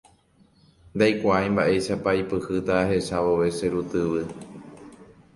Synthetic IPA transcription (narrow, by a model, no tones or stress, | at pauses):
nd̪ajkʷaaj̃mbaʔe̞ʃapaipɨhɨt̪ahe̞saβo̞ʋe̞seɾut̪ɨʋɨ